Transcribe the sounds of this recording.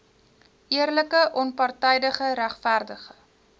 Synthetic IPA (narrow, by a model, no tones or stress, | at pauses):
ʔiərləkəʔɔnpɐrtɛjdəχəɾæχfærdəχə